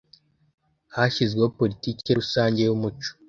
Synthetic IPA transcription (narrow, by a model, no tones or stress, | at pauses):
haʃizɡweopo̞litiːceɾusaːɲɟe̞jumut͡ʃo̥